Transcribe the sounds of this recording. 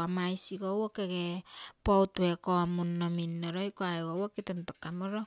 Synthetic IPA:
amajsiɡowokeɡepowtuwekomunːominːoɾojkoaeɡowokitontakːamoɾo

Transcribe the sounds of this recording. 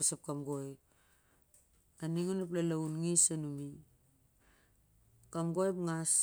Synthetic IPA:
sap̚kamɡojp | aniŋonap̬lalaunŋisanumi | kamɡojpŋas

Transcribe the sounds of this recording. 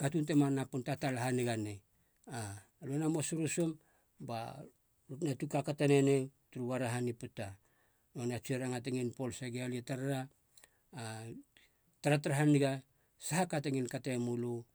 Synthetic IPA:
katuntemanapuntatalaɦaniɡane | a | luenamosuɾusom | ba̰ | lutnatukakatanenetuɾuβaɾaɦaniputa | nonat͡ʃueɾaŋat̬eŋinpo̞lseɡealietaɾaɾaː | taɾataɾaɦaniɡa | sahakateŋinkatemulu

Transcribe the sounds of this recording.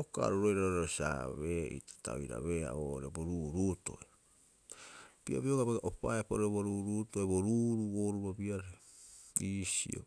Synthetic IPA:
oka̰ɾuɾojɾaoɾeosa̰βeḭtḁta̰oiɾa̰βea̰βoɾeboɾuːɾuto̞̰e | pia̰bioɡabaɡaʔopaepoɾoboɾuɾutoeboɾuɾuβoɾubabiaɾe | isḭo̰

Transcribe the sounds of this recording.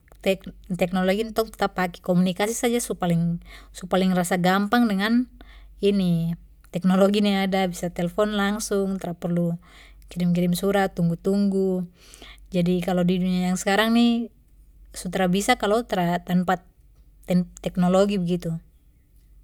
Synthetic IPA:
t̪ɛkt̪ɛknɔlɔɡint̪ɔk̚t̪t̪apakɛ̥kɔmunikasisad͡ʒasupaliŋsupaliŋrasaɡampaŋdɛŋan | ini | t̪ɛk̚nɔlɔɡiniadabisat̪ɛlɛfɔnlaŋsuŋt̪aɾapɛrlu | kiɾimkiɾimsuɾat̪ːuŋɡut̪uŋɡu | d͡ʒadikalɔdiduɲajaŋskaɾaŋni | sut̪aɾabisakalɔt̪aɾat̪ampat̪ | ɛt̪ɛknɔlɔɡibɛɡit̪u

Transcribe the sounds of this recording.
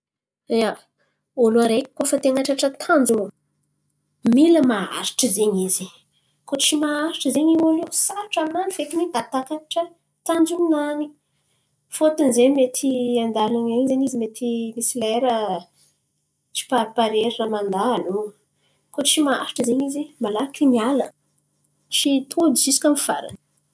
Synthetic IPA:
a | oluaɾeki̥kːofət̪eŋaʈ͡ʂaʈ͡ʂət̪ʰand͡zu | miləmaa̰ɾi̥ʈ͡ʂəzeɲizi̥ | kot͡ʃimaaɾiʈ͡ʂəzeɲiwanesaʈ͡ʂaminanifekinid̪at̪akaʈ͡ʂə | t̪and͡zuinani̥ | fot̪unzemet̪ʰiand̪alaɲeɲzeɲizimet̪imisileɾə | t͡ʃi̥papaɾeɾinəmand̪aalo | kot͡ʃimaa̰ɾi̥ʈ͡ʂəzeɲizimalakinialə | t͡ʃit̪ʰud̪it͡ʃisi̥kʲamfa̰ɾa̰nə̥

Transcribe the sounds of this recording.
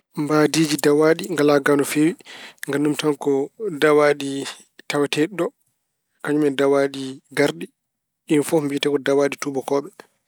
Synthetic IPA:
mbaːdiːd͡ʒidawaːɗiŋɡalaɡanɔfewiŋɡanːumtankɔdawaɗi | tawatɛɗɔ | kaɲumɛdawaɗiɡaɾɗi | infɔmbitɛkɔdawaːɗitubɔkɔːɓɛ

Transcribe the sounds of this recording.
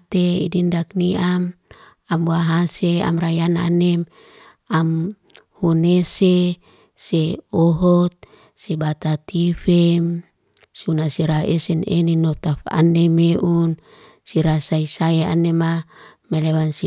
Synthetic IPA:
t̪eḭdindakniam | ambuaɦasea̰mrajana̰nɛm | am | hunese | seoɦɔt̪̚ | sebat̪at̪ʰifem | sunasiɾaesɛneninot̪afa̰nemeʔun | siɾasaisaea̰nemamelewansi

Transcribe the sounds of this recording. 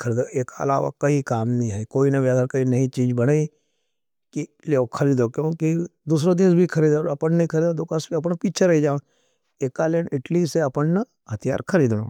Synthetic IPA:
kʰɐɾiːd̪oeːkaɐ̰la̰ːʋa̰kɐikaːmnɐĩɦɛikoːinɐʋjaːd̪aɾkɐinɐĩt͡ʃiːd͡ʒbɐɽaːi | ki | loːkʰɐɾiːd̪okjõːkid̪uːs̬ɾad̪eːsbʱikʰɐɾiːd̪oɐpənnɐĩkʰɐɾiːd̪õd̪okasbiɐp̬npiːt͡ʃʰeɾɐɦid͡ʒãː | eːkːaleːnɪʈliseɐpənnɐ | hɐt̪ʰija̰ːɾkʰɐɾiːd̪no̰ː

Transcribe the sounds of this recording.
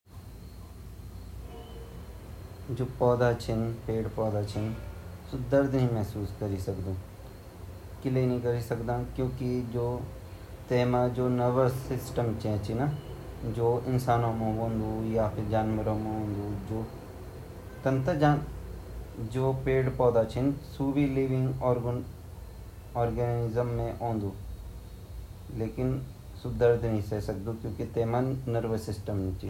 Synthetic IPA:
d͡ʒoːpɔːd̪aːt͡ʃʰɪnpeːɽpɔːd̪aːt͡ʃʰɪnsʊd̪əɾd̪ɦĩːmɛɦsuːskəɾiːsəkd̪õː | kɪleːnĩːkəɾiːsəkd̪ãːkjõːkɪd͡ʒoː | t̪eːmãːd͡ʒoːnəʋəɾsɪsʈəmt͡ʃɛ̃ːt͡ʃʰina | d͡ʒoːɪnsaːnõːmõːʋõːnd̪uːjaːpʰɪɾd͡ʒaːnməɾõːmẽɦõːnd̪ud͡ʒoː | t̪ɐ̃nt̪əd͡ʒaːn | d͡ʒoːpeːɽpɔːd̪at͡ʃʰɪnsuːbiliːʋɪ̃ŋɡɔːɾ | ɔːɾɡənɪzəmːẽʔõːnd̪uː | leːkɪn | sʊd̪əɾd̪ʱnɐɦĩsesɐk̚d̪ukjõːkit̪eːmãnəɾʋəsɪsʈəmnĩt͡ʃʰi

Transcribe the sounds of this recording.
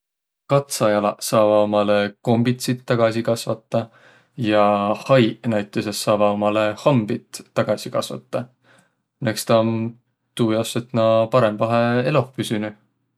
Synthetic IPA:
kɑt̪sɑjɑlɑsɑːvɑomɑleko̞mbit̪sit̪ːɑɡ̥ɑsikɑsvɑt̪ːˑɑ | jɑhɑjnæjt̪ːˑesesːɑːvɑomɑlehɑmbit̪ːɑɡ̥ɑsikɑsvɑ̰t̪ːˑɑ | nekst̪ɑon | t̪uːjɑset̪nɑpɑɾe̞mvɑɦeelo̞hpysyny

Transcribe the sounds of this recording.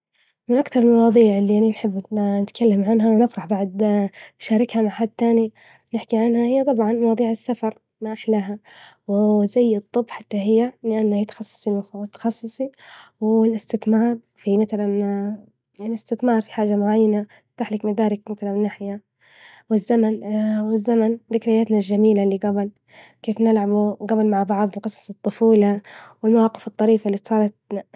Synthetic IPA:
mɪnʔakt̪ɑɾˤɪlmɑwɑːd̪ˤiːʕɪlːiʔaʕninħɪbːnɪt̪kʰalːamʕanɦawnɪfɾˤɑħbaʕd̪ʃaːɾˤɪkhamaʕħad̪̚t̪aːni | nɪħkiʕanhahɪjːat̪ˤɑbʕɑnmɑwɑːd̪ˤiːʕɪsːafɑɾˤ | maʔaħlaɦawzajːɨt̪ˤːɨbːħat̪ːaɦɪjːalɪʔanːahɪjt̪xɑsˤːsˤilʊxawt̪ːḁxɑsˤːɨsˤiwɪlɪst̪ɪθmɑːɾˤ | fimaθalan | jaʕniɪst̪ɪθmɑːɾˤfi̥ħaːd͡ʒamʊʕajːana | t̪aħlɪkmad̪aːɾˤɪkmaθalannːaħja | wɪzːamanwɪzːamand̪ɪkɾɪjːaːt̪nalʒamiːlalːiɡabɪl | keːfnɪlʕabuɡabɪlmaʕbɑʕðˤlqɨsˤɑ̥sˤɨt̪ˤːʊfuːlɑwɪlmawɑːqɪfɨt̪ˤːɑɾiːfalːiːsˤɑːɾˤɑt̪̚

